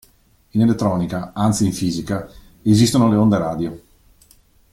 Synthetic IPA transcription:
inelet̪ːɾɔːnikaant̪siːɱfiːzika | ezist̪onoleond̪eɾaːd̪jo

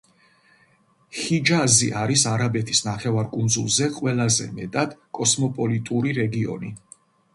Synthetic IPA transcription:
χid͡ʒazḭʔaɾisaɾabɛt̪ʰi̥snaχɛvaɾkʼund̪zṵlˠzɛqʼwɛlˠazɛ̰mɛt̪ʼad̪̥kʼɔsmɔpʼɔlit̪ʼuɾiɾɛɡiɔ̰ni

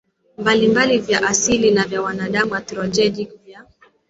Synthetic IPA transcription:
mbalimbalivjaʔasilinavjawanaɗamuwatɾɔd͡ʒɛɗikvja

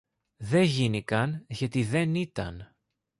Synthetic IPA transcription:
ðe̞ʝinikɐnʝɐt̪iðe̞nit̪ɐ̰n

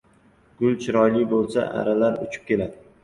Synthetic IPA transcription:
ɡ̥ʊlˠt͡ʃʰɪɾɒjlɪbolˠsa̰ʔa̰ɾalaɾʊ̰t͡ʃʰɪ̥p̚kʲe̞lad̪ɪ

